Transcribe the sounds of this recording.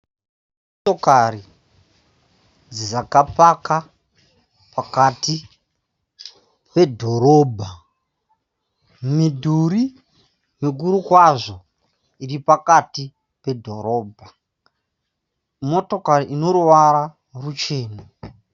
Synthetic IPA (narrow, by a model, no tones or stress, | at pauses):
m | oto̞kari | d͡zizakapaka | pakati | pe̞dʱo̞ɾo̞ːbʱa | midʱuɾi | meɡ̬uɾukwaʐo̞ | iripakati | pe̞dʱo̞ɾo̞ːbʱa | moto̞kariʔino̞ɾuʋaɾa | rut͡ʃe̞ːna